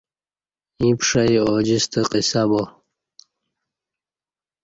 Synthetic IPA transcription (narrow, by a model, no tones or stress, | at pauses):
ĩpʂɐjod͡ʑist̪əqisabo